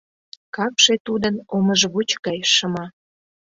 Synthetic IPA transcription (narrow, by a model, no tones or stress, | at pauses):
kɑpʃet̪ud̪ənoməʒβut͡ɕɣɑjʃəmɑ